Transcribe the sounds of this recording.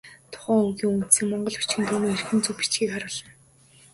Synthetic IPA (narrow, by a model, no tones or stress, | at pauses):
t̪ʰʊ̥χæːɵɣiːŋunt̪siːŋmɔɴɢɞ̆ɮpu̥t͡ɕxɘ̆nt̪ʰumiːerxɘ̆nt͡suwpi̥t͡ɕɡiːkaɾə̆ɮăn